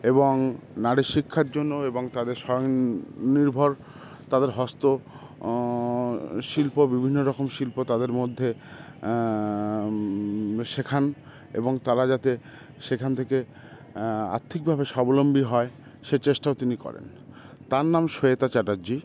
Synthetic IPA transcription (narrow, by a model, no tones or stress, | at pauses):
eboŋnaɽeʃikʰːaɾd͡ʑonːoeboŋt̪ad̪eɾʃɔoŋniɾbʱoɾ | t̪ad̪eɾɦɔst̪o | ʃilpobibʱinːoɾɔkomʃilpot̪ad̪eɾmod̪ʱːe | ʃekʰan | ḛboŋt̪alad͡ʑat̪e | ʃekʰant̪ʰeke | a̰ɾt̪ʰik̚bʱabeʃɔbolombiɦɔe | ʃet͡ɕeʃʈaot̪inikɔ̰ɾḛn | t̪aɾnamʃoet̪at͡ɕaʈad͡ʑi